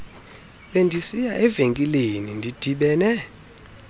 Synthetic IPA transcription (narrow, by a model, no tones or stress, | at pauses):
ɓendʱisijaʔɛveŋkʼilenindʱid̥ʱiɓɛːnɛ